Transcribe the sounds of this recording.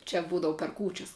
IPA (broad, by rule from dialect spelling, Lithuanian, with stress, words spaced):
t͡ʃʲɛ ˈbuːdɐʋʊ pʲɛr ˈkuːt͡ʃʲɛs